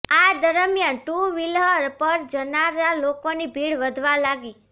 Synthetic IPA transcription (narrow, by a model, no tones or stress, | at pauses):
ad̪əɾəmjanʈuʋilɦəɾpəɾd͡ʒənaɾalokonibʱiɽʋəd̪ʱʋalaɡi